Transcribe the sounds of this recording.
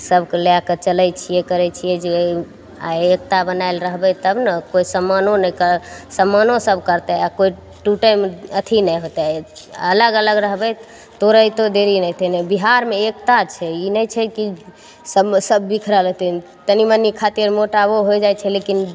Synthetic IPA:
səbkelejakət͡ʃəlɛjt͡ʃʰijɛkəɾɛt͡ʃʰijɛd͡ʒe | a̰ek̚t̪abənajlɾəɦbɛt̪əbnəkoisəmːanonəkəsəmːanosəbʱkəɾt̪ɛakoi | ʈuʈəjmət̪ʰinəjɦot̪aə̰ləɡələɡɾəɦbɛ | t̪oɾəjt̪od̪eɾinɛjt̪ʰənebiɦaɾmeek̚t̪at͡ʃʰɛinəjt͡ʃʰɛki | səsəbːikʰɾələt̪ʰin | t̪ənimənikʰat̪iɾmoʈaboɦojd͡ʒajt͡ʃʰɛlekin

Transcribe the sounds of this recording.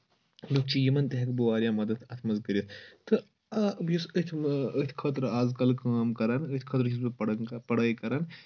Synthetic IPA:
luk̚t͡ʃʰijimɐnt̪ɐɦɐkbuʋaːɾjaːmɐd̪ɐt̪ʰɐt̪ʰmɐzkɐɾʲit̪ʰt̪ɨ | abjusət̪ʲʰət̪ʰʲkʰɐt̪ɾaːzkɐlkaːmkɐɾɐnət̪ʰʲkʰɐt̪ɾt͡ʃʰis̬bɨɽpɐɽɐːjkɐɾɐn

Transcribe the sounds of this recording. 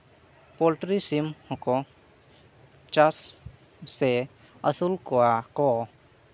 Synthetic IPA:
pɔlʈɾisimhɔkɔ | t͡ʃas | se | əsulkɔakɔ

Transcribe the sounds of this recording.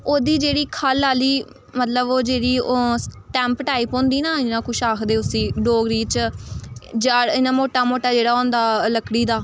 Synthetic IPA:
oːd̪iːd͡ʒeːɽiːkʰaːlaːliː | mət̪ləboːd͡ʒeːɽiːsʈɛ̃ːmpʈaːɪpõːnd̪iːnãːɪnãːkʰʊʃaːkʰd̪eːʊsĩːɖoːɡɾiːt͡ʃ | d͡ʒaːɽɪnãːmoːʈaːmoːʈaːd͡ʒeːɽaːõːnd̪aːləkɽiːd̪aː

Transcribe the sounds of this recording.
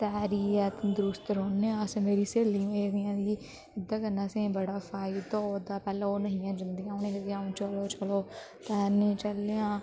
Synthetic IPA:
t̪ɛːɾiːɛːt̪d̪ʊɾʊst̪ɾɦoːneãsẽːmeːɾiːseːlĩːmenjãːd̪iː | ɪd̪ːãːkənːaːsẽbəɽaːfʰaːit̪od̪aːpɛːlãːoːnəɦɪ̃jãːd͡ʒənd̪ijãːonẽːɦɪzãːũːt͡ʃəloːt͡ʃəloː | t̪ɛːnẽːt͡ʃəleãː

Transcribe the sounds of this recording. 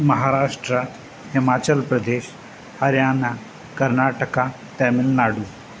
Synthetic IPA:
mɐɦaɾaːʂʈɾə | hɪmaːt͡ɕəlpɾəd̪eːɕ | hɐɾjaːna | kəɾnaʈəka | t̪ɛmɪlnaːɽu

